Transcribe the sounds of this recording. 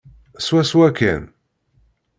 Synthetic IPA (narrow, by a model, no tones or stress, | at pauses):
swæswækːæ̰n